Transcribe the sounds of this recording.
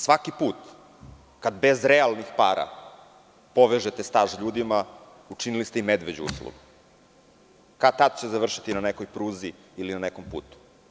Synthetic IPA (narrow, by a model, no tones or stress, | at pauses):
sʋakipuːt̪ | kad̪bezɾealˠnixpaːɾa̰ | poʋeʒet̪est̪aːʒʎuːd̪ima | uʈ͡ʂinilist̪eimed̪ʋed͡ʑṵṵslˠo̰ɡu | kat̪ad̪t͡ɕezaʋr̩ʃit̪inanekojpɾuːziː | linanekompṵːt̪u̥